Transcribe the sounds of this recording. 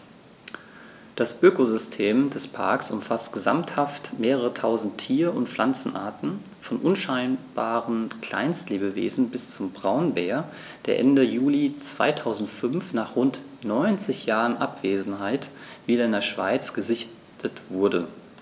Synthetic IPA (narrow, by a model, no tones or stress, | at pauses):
d̥asʔøːkozʏstʰeːmdɛspʰa̰ɐksʊmfastɡ̥əza̰mthaftmeːʁəʁ̞ətʰaʊzn̩tʰːiːɐʊntflʔant͡sn̩ʔa̰ːɐtn̩ | fɔnʔʊnʃaɪnb̥aːʁənkl̥a̰ɪnstleːbəvḛːzn̩bɪst͡sʊmbʁaʊnbeːɐ | d̥eːɐʔɛndəjuːlit͡sv̥a̰ɪtʰaʊzn̩tfʏnfnaːχʁʊnt | nɔʏnt͡sɪçjaːʁənʔapv̥eːzn̩ɦaɪtv̥iːdɐɪndeːɐʃv̥a̰ɪt͡sɡ̥əzɪç | tʰətv̥ʊɐdə